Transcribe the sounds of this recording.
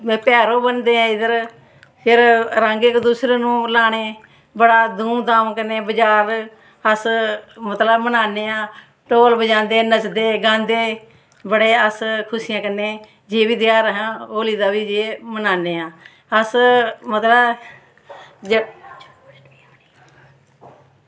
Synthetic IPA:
pɛːɾoːbənd̪eːãːɪd̪əɾ | pʰɪɾɾə̃ŋɡekd̪uːsɾeːnũːlaːneː | bəɽaːd̪uːmd̪aːmkəneːbəd͡ʒaːɾ | əsmət̪ləbmənaːneːãː | ʈoːlbəd͡ʒãːnd̪eːnət͡ʃd̪eːɡãːnd̪eː | bəɽeːəskʰʊsɪjãːkənːeː | d͡ʒeːʋiːd̪ɪjaːɾəɦãːoːliːd̪aːʋiːd͡ʒeːmənaːneːãː | əsmət̪ləb | d͡ʒ

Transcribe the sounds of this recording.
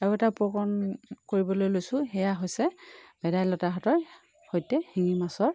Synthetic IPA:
ɛɛtapɔkɔnkoɹibɔlojlojsʊ̃hɛjaɦojsɛbɛdajlɔtaɦɔtɔɹ | hojtɛhiŋimasɔɹ

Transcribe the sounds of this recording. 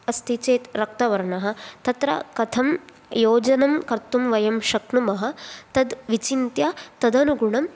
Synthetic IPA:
ɐst̪ʰit͡ʃeːt̪ɾɐk̚t̪ɐʋɐɾɐɳɐɦɐ̆t̪ɐt̪ɾɐ̰kɐt̪ʰɐm | joːd͡ʒɐnɐmkɐɾt̪umʋɐjɐmʃɐknumɐɦɐ̆t̪ɐd̪ʋit͡ʃint̪jɐt̪ɐd̪ɐnuɡuɳɐm

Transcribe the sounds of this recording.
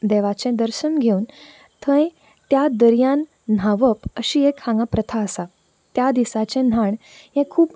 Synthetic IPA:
d̪eʋat͡ɕɛ̃d̪əɾɕənɡʱeun | t̪ʰə̃j | t̪jad̪əɾjan̤ː | aʋəpəɕiekhãŋɡãpɾət̪ʰaəsa | t̪jad̪isat͡ɕẽn̤aɳ | jɛ̃kʰuːp

